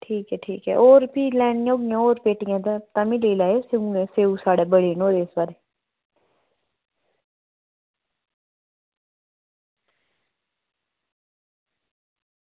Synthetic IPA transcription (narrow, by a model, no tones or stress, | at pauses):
ʈʰiːkɦɛːʈʰiːkɦɛ̰ːʔoːɾpiːlɛːɳɪjãoːɡɪjãːoːɾpeːʈɪjãːd̪at̪ãːmɪliːlaːeseũẽseːũːsaːɽeːbəɽeːnoːɾeːsbaːɾeː